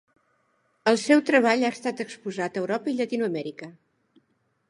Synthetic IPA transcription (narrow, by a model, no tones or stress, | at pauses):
əlˠsɛwt̪ɾəβ̞aʎast̪at̪əkspuzat̪əːwɾɔpəilət̪inuəmɛɾikə